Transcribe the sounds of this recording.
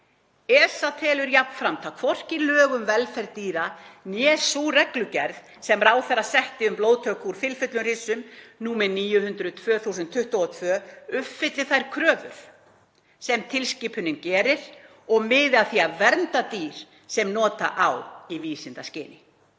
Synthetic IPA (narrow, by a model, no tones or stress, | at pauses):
ɛːsat̪ʰɛːlʏɾjapnfɾamt̪ʰawkʰvɔr̥cɪlœːɣʏmvɛlfɛɾt̪iːɾanjɛːsurɛklʏcɛɾð | sɛmɾaːwθɛrːasɛht̪ɪʏmploːwt̪ʰœkʰuɾ̥fɪlfʏt̪lʏnr̥ɪsʏmnuːmɪniːjʏhʏnt̪ɾʏðt̪ʰvœːθusɪnt̪ʰːʏht̪ɔɔt̪ʰvœːʏpfɪt̪lɪθajɾkʰɾœːvʏ̰ɾ̥ | sɛmt̪ʰɪlsciːpʰʏnɪncɛːɾɪɾ̥ | ɔɣmɪːðaθiavɛɾnt̪at̪iːɾ̥ | sɛmnɔːt̪a̰ʔawiviːsɪnt̪ascɪ̰ːnɪ